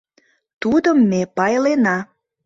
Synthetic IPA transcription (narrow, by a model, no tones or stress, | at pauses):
t̪ud̪əmːepɑjlenɑ